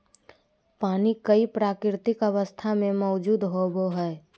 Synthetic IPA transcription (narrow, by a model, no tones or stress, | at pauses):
paːnikəipɾaːkɪɾt̪ɪkəʋəst̪ʰamẽmɔːd͡ʒuːd̪ɦoboɦɛː